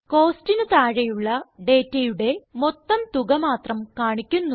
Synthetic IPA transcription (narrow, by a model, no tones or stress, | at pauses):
ko̞ːstinɨt̪aːɻɐjuɭːɐɖe̞ːtːɐjuɽe̞mot̪ːɐmt̪uɣɐmaːt̪rɐmkaːɳikʲːunːu